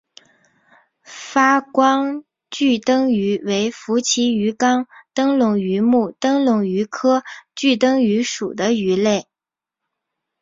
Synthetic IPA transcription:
fa˥kwɑ˥ŋ | t͡ɕy˥˩t̪ɤ˥ŋy˧˥we˧˥ɪfu˧˥t͡ɕʰi˧˥y˧˥kɑ˥ŋt̪ɤ˥ŋlʊ˧˥ŋy˧˥mu˥˩t̪ɤ˥ŋlʊ˧˥ŋy˧˥kʰɤ˥t͡ɕy˥˩t̪ɤ˥ŋy˧˥ʂu˨˩d̪ə˦y˧˥le˥˩ɪ

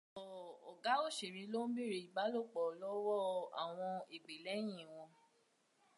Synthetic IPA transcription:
ɔ˨ɔ˨ɡa˨˦o˦˨ʃi˨ɾ̃ĩ˨˦lo˦n̩˦bi˦˨ɾi˨˧i˨ɡ͡ba˨˦lo˦˨k͡pɔ˨lɔ˦wɔ˦a̰˨w̃ɔ̃˧e˨ɡ͡be˨lɛ˨˦j̃ĩ˦˨w̃ɔ̃˧

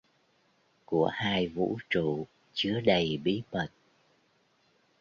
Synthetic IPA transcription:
ku˧˩əhaː˧jvṵ˧˥t͡ɕṵ˧˨ | t͡ɕɨ˨˦əɗə˨˩jɓi˨˦ɓə˨˩t̚

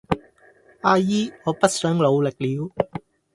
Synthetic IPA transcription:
ʔaː˧jiː˥ŋɔː˨˧pɐ˥t̚sœː˨˥ŋlo˨˧wlɪ˨k̚liː˨˧w

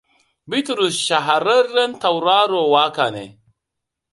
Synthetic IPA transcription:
bi˦tɾu˨sʃa˨ɦa˨ɾɐː˦ɐ˦ntɐ˨wɾa˦ɾo˨wa˦ka˨nḛ˨

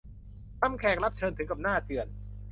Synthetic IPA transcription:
sa˥˩mkʰɛː˨˩k̚la˦˥p̚t͡ɕʰɤː˧nt̪ʰɯ˨˦ka˨˩p̚naː˥˩t̪ɯ˨˩ən

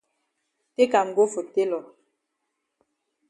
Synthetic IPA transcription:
te˦ka˨m̩˨ɡo˦fo˨te˦lɔ˨

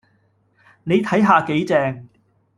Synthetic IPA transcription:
ne˨˧jt̪ʰɐ˨˥jɦaː˨˧ke˨˥jt͡sɛː˧ŋ

